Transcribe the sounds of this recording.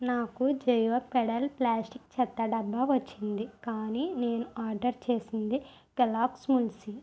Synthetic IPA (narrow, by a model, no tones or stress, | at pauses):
naːkud͡ʒɐjʋɐpɛɽɐlplaːsʈikt͡ʃɛt̪ːɐɖɐbːɐʋɐt͡ʃːind̪ikaːniːneːnuaːɾɖɐɾt͡ʃe̞ːsind̪i | kɐlaːksmulsi